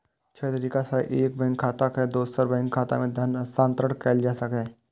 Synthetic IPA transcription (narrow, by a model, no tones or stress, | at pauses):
t͡ʃʰɛːt̪ɐɾiːkasaiʔeːk̚bɛ̃ːŋkʰːaːt̪akɛd̪oːsəɾbɛ̃ːŋkʰːaːt̪a̰mẽd̪ʱɐnsãːnt̪ɾəɽkɛːld͡ʒaːsɐkɦɛ̃ː